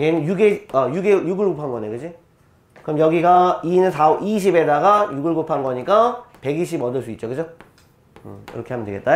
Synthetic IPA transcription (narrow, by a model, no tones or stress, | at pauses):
enɯnjuɡeajuɡejuɡɯɭɡopʰanɡʌneɡɯd͡ʑi | kɯɾʌmjʌɡiɡainɯnsaiɕ̬ʰibe̞daɡajuɡɯɭɡopʰanɡʌɲik͈ape̞ɡiɕʰibʌdɯɭs͈uit̚t͡ɕokɯd͡ʑo | ɯ̰ḭɾʌkʰe̞hamjʌndweɡe̞t͈ajo